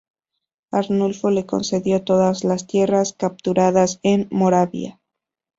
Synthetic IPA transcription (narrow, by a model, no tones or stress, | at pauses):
aɾnulfole̞ko̞̰nse̞ðjo̞t̪o̞ðazlast̪je̞raskap̚t̪uɾaðase̞nmo̞ɾaβja̰